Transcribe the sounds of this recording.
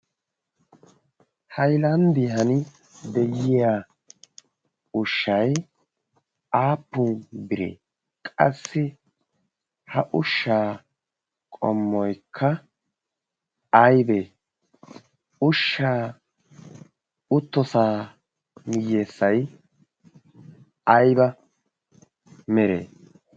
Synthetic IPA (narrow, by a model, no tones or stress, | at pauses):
hɐjlɐnd̪ɪhɐnɪ | d̪ɛjɪjaː | ʊʃːɐj | aːpːʊːbɪɾḛː | kʼɐ̰sːɪ | hɐʔʊʃːaː | kʼɔ̰mːɔjkʰːɐ | ɐjbe | ʊʃːaː | ʊt̪ːɔsaː | mɪjːe̞ːsːɐj | ɐjbɐ | mɛɾḛː